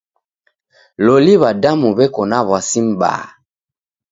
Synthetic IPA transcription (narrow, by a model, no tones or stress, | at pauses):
loliβadamuβɛkɔnaβwasimba̰